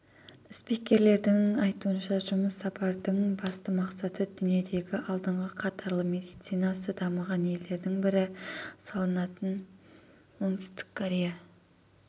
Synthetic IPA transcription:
spikʲːe̞ɾle̞ɾd̪ɪŋɑjt̪uənʃɑʒʊməsːɑpʰɑɾd̪əɴbɑst̪əmɑqsɑt̪əd̪ʏnije̞d̪e̞ɡʲɪʔɑlˠd̪əɴʁəqʰɑt̪ʰɑɾlˠəmʲe̞d̪ijt̪sijnɑsəd̪ɑməʁɑne̞le̞ɾd̪ɪŋbɪɾɪsɑlˠənɑt̪ən | wo̞ŋt̪ɪ̥st̪ɪ̥kʰːoɾʲe̞ja

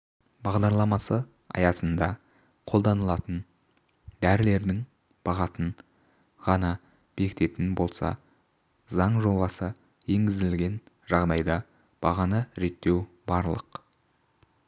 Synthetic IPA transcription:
bɑʁd̪ɑɾlˠɑmɑsə | ɑ̰jɑsənd̪ɑ | qʰo̞lˠd̪ɑnəlˠɑt̪ən | d̪æɾɪle̞ɾd̪ɪŋ | b̥ɑʁɑsən | ʁɑnɑ | b̥e̞kʲɪ̥t̪e̞t̪ɪnbo̞lˠsɑ̰ | zɑɴʒo̞bɑsə | je̞ŋɡʲɪzd̪ɪlɡʲe̞n | ʒɑʁd̪ɑjd̪ɑ | b̥ɑʁɑnəɾe̞t̪ːe̞w | bɑɾlˠə̰q

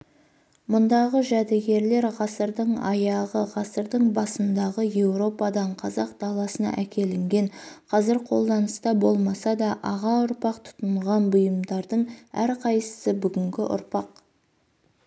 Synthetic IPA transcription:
mʊnd̪ɑʁəʒæd̪eɡʲe̞ɾle̞ɾʁɑsəɾd̪əɴɑjɑʁəʁɑsəɾd̪əɴbɑsənd̪ɑʁəje̞wɾo̞pɑd̪ɑɴqʰɑzɑq̚d̪̥ɑlˠɑsənɑ̰ʔækʲe̞lɪŋɡʲe̞ɴqʰɑzɪɾqʰo̞lˠd̪ɑnəst̪ɑbo̞lˠmɑsɑd̪ɑʔɑʁɑʊɾpɑqt̪ʰʊ̥t̪əɴʁɑnbʊjəmd̪ɑɾd̪əɴæɾqʰɑjsə̥səbʏɡʲɪŋɡʲɪʔʊ̰ɾpɑq

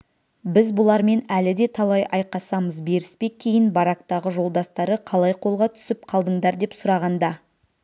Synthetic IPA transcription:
bɪzbʊlˠɑɾme̞nælɪd̪e̞t̪ʰɑlˠɑjɑjqɑsɑməzbe̞ɾɪspe̞kʲʰe̞jɪnbɑɾɑk̚t̪ɑʁəʒo̞lˠd̪ɑst̪ɑɾəqʰɑlˠɑjqʰo̞lˠʁɑt̪ʰʏ̥sɪpqʰɑlˠd̪əɴd̪ɑɾd̪e̞psʊɾɑʁɑnd̪ɑ

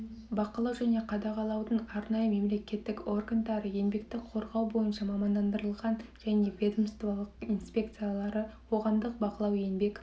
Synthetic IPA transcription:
bɑqəlˠɑwʒæne̞qʰɑd̪ɑʁɑlˠɑwd̪əɴɑɾnɑjəme̞mle̞kʲe̞t̪ːɪko̞rɡand̪ɑɾəje̞nbe̞kt̪ɪkqʰo̞ɾʁɑwbo̞jənʃɑmɑmɑnd̪ɑnd̪əɾəlˠʁɑnʒ̥æne̞vʲe̞d̪əmst̪vɑlˠəqinspʲe̞k̚t̪sɨjalˠɑɾəqʰo̞ʁɑmd̪əq̚bɑqəlˠɑwe̞nbe̞k

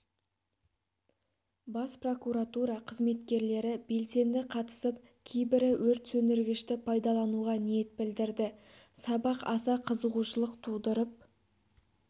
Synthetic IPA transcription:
bɑspro̞kuɾat̪uɾɑqʰəzme̞t̪kʲe̞ɾle̞ɾɪbe̞lse̞nd̪ɪqʰɑt̪ə̥səp | kʲʰejbɪɾɪwɵɾt̪sɵnd̪ɪɾɡʲɪʃt̪ɪpʰɑjd̪ɑlˠɑnuʁɑnije̞t̪̚bɪld̪ɪɾd̪ɪ | sɑbɑqɑsɑqʰəzəʁuʃəlˠəqt̪ʰud̪əɾəp̚

